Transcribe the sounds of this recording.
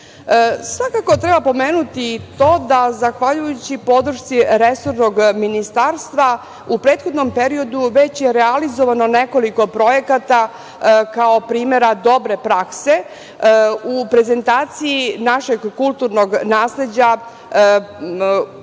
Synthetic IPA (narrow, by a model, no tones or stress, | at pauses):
sʋakako̞t̪ɾebapo̞meːnut̪it̪o̞d̪azaxʋaʎujut͡ɕipo̞d̪ɾ̩ʃt̪siɾesoɾnoɡminist̪aːɾst̪ʋa | upɾe̞ːt̪xod̪no̞mpeɾio̞d̪uʋe̞t͡ɕjeɾealizoʋano̞ne̞ko̞liko̞pɾo̞je̞kat̪a | kaopɾiːme̞ɾad̪o̞bɾe̞pɾakse̞ | upɾe̞ze̞nt̪aːt̪siinaʃeɡːulˠt̪uɾnoɡnaːsle̞d͡ʑa